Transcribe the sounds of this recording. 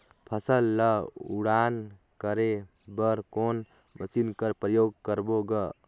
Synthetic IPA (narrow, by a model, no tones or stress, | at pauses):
pʰəsəlːəuɽan | kəɾe | bəɾkon | məsinkəɾpɾəjoːɡ̚kəɾboɡə